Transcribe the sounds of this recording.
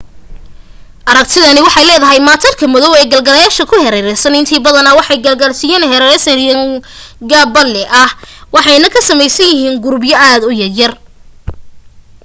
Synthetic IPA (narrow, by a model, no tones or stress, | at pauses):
ʔɐɾɐk̚t̪ʰɪðɐnɪwɑħɑjlɛːðɐɦɛjmaːt̪ʰɐrkʰɐmɔðɔwɛːɡɐlɡɐlɐjaːʃɐkʰʊhɛɾɛɾɛsɐnɪnt̪ʰiːbɐðɐnɐwɑħɑjɡɐlɡɐlsɪjɛːnhɛɾɛɛsɐjɐŋɡaːbɐlɛʔɐhwɑħɑjnɐkʰɐsɐmɛjsɐnjɪɦiːŋɡʊɾbjɐʔaːd̪ʊjɐrjɐr